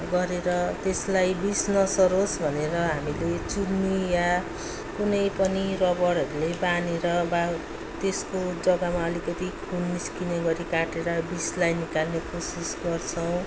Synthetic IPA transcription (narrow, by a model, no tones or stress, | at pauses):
ɡʌɾeɾʌt̪eslajbisnʌsʌɾosbʱʌneɾʌɦamilet͡sunnija | kunʌjpʌnirʌbʌɽɦʌɾulebaneɾʌba | t̪eskod͡zʌɡamaʌlikʌt̪ikʰunːiskinʌɡʌɾikaʈeɾʌbislajnikalnekosisɡʌrt͡sʰʌw̃